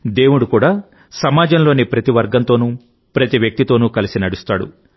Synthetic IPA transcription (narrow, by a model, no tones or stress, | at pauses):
d̪e̞ːwuɽukuːɽaː | sɐmaːd͡ʒɐmlo̞ːnipɾɐt̪iʋɐɾɡɐnt̪o̞ːnu | pɾɐt̪iʋjɐk̚t̪it̪o̞ːnuːkɐlisinɐɽust̪aːɽṵ